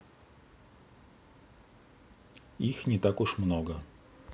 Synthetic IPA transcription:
ixnʲɛt̪akuʂmnɔɡɐ

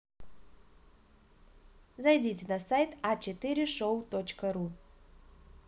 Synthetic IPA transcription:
zajdʲitʲenasajt̪at͡ʃet̪iɾʲɪʂowt̪ot͡ɕkəru

